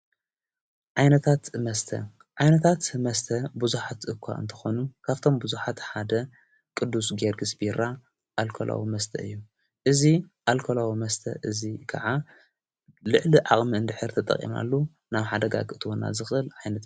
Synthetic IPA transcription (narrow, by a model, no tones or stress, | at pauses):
ʕajnɐt̪ʰat̪mɐst̪ʰɐ̰ | ʕajnɐt̪ʰat̪mɐst̪ʰɐbuzuħat̪ʔɨkʷʰːa̰ʔɨ̰nt̪ʰɨ̥xonukʰaβt̪ʰo̞mbuzuħat̪ħad̪ɐ | kʼɨd̪ːusɡeɾɡɨsbiɾa | ʔalkʰo̰lʔa̰wimɐst̪ʰɐ̰ɨ̰jːu | ʔɨziʔalkʰolawimɐst̪ʰɐ̰ʔɨzikʰɐ̰ʕa | lɨʕliʕaχʼmiɨnd̪ɨħɨɾt̪ʰɐt̪ʼɐ̰kʼːḭma̰lːu | naβħad̪ɐɡa̰ɡɨt̪ʰɨwona̰zɨxɨlʕajnɐt̪